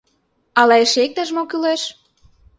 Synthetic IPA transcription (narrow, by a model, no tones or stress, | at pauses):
ɑlɑeʃek̚t̪əʒmokyleʃ